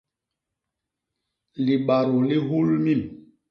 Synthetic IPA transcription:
li˨ɓa˨ɾo˨li˦ɦu˦lmi˦˨n

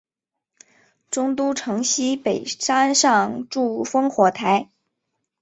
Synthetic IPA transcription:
ʈ͡ʂʊ˥ŋt̪̬u˥ʈ͡ʂʰɤ˧˥ŋɕi˥pe˨˩ɪʂa˥nʂɑ˥˧ŋʈ͡ʂu˥˩fɤ˥ŋxwɔ˧˥t̪ʰa˧˥ɪ

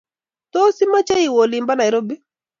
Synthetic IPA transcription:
t̪o˦si˦ma˦t͡ʃe˦i˨wo˨li˨mba˦na˨ɪ˨ɾo˦bi˦

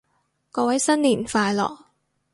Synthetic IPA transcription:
kɔː˧wɐ˨˥jsɐ˥nliː˨˩nfaː˧jlɔ̰ː˨˩k̚

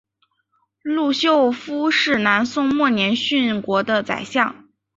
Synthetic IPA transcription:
lu˥˩˧ɕjo˥˧ʊfu˥ʂɻ̩˥˩na˧˥nsʊ˥ŋmwɔ˥˩njɛ˧˥nɕy˥˩nkwɔ˧˥d̪ə˧t͡sa̰˨˩ɪɕjɑ˥˩ŋ

